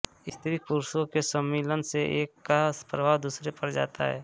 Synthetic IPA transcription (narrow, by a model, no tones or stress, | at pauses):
ɪst̪ʰɾikʊɾsõkesəmːiːlənseʔeːkːapɾəbʱaːɦd̪uːsɾepəɾd͡ʒa̰ːt̪aɦɛ̰ː